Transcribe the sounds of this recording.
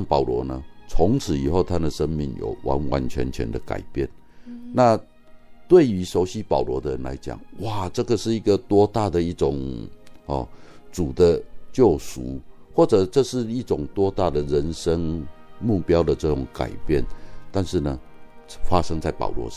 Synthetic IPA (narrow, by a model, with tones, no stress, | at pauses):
ŋpɑ˨˩ʊlwɔ̰˧˦nə˧t͡sʰʊ˧˥ŋt͡sʰɻ̩˨˦i˨˩xo˥˧ʊt̪ʰa˦d̪ə˨ʂə˦nmi˥˩ŋjo̰˨˩ʊwʔa̰˧˦nwa̰˧˦nt͡ɕʰɥɛ̰˧˦nt͡ɕʰɥɛ̰˧˥nd̪ə˨ka̰˨˩ɪpjɛ˥˩n | na˥˧ | t̪we˥˩ɪy˧˥so˧˥ʊɕi˦pɑ˨˩ʊlwɔ˨˧˥d̪ə˨ə˧˦nla̰˧˦ɪt͡ɕja̰˨˩ŋwa˥˩ʈ͡ʂɤ˥˩ɡə˨ʂɻ̩˥˩i˧˥ɡə˨t̪wɔ˥t̪a˥˩d̪ə˨i˥˩ʈ͡ʂʊ˨˩ŋhɔ̰˨˩t͡su˨˩d̪ə˦t͡ɕjo˥˩ʊsṵ˧˦ | xwɔ˥˩ʈ͡ʂɤ˨˩ʈ͡ʂə˥˧ʂɻ̩˥˧i˥˩ʈ͡ʂʊ˨˩ŋt̪wɔ˥t̪a˥˩d̪ə˨ɻə˧˦nʂə˦ŋmu˥˩pjɑ˥ʊd̪ə˨ʈ͡ʂɤ˥˩ʈ͡ʂʊ˨˩ŋka̰˨˩ɪpjɛ˥˩nt̪a˥˧nʂɻ̩˥˩nə˩ | fa˦ʂə˥˦ŋt͡sa˥˩ɪpɑ̰˨˩ʊlwɔ̰˧˦˥